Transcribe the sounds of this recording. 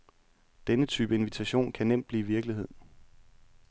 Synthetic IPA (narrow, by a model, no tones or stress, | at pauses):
d̥enət͡sʰyːb̥əe̝nʋit͡sʰæɕo̝̰ːnkʰænem̰d̥̚b̥liːʋiɐɡ̥liɦe̝ð̰ˠ